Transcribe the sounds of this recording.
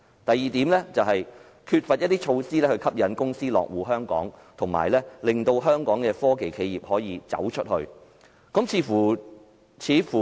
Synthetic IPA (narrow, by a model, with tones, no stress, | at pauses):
t̪ɐ˨jiː˨t̪iː˨˥mlɛː˥t͡sɐ˨wɦɐ˨j | kʰyː˧t̚fɐ˨t̚jɐ˥t̚t̪iː˥t͡ʃʰo˧wsiː˥lɛː˥hɵ˧ɥkʰɐ˥p̚jɐ˨˥nkʊ˥ŋsiː˥lɔ̰ː˨k̚wuː˨˩ɦœː˥ŋkɔ̰ː˨˥ŋt̪ʰʊ˨˩ŋma̰ː˨˩jlɛː˥lɪ˨ŋt̪o˧wɦœː˥ŋkɔː˨˥ŋkɛː˧fɔː˥ke˨jkʰe˧jiː˨˩p̚hɔː˨˥jiː˨˧t͡sɐ̰˨˥wt͡ʃʰɵ˥t̚hɵ˧ɥ | kɐ˨˥mt͡sʰiː˨˧fuː˨˩ | t͡sʰiː˨˥fuː˨˩